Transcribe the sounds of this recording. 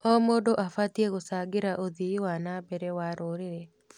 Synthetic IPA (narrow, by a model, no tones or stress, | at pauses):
ɔmodoʔafatjeɣosaɡɪɾaʔoðiwanabɛɾɛwaɾoɾeɾe